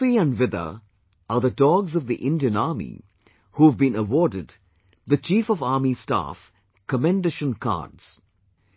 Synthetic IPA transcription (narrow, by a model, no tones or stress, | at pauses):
iə̃nvɪðə̰ | ʔəðədɔɡzʌvðiʔɪ̃ndiə̃nɑːɹmḭ | huːəvbĩnəwɔːdɪd̪ | ðət͡ʃiːfəvɑːmista̰f | kəmɛ̃ndeʃə̃nkʰɑ̰dz̥